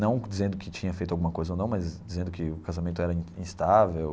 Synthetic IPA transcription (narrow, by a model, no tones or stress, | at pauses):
nɐ̃w̃d͡ʒizẽnd̪ʊkɪt͡ʃĩɲɐfejt̪ʊawɡũmɐkojzɐonɐ̃w̃mɐzd͡ʒizẽnd̪ʊkɪʊkazamẽnt̪ʊɛɾɐĩĩst̪avew